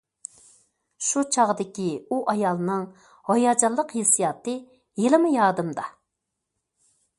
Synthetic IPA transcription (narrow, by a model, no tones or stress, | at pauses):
ʃut͡ʃʰɑʁd̪ɪkʲiuʔɑjɑlˠnɨŋ | hojɑd͡ʒɑlˠːəqhesijɑt̪ɨ | jelɪmɨjɑːd̪ɨmd̪ɑ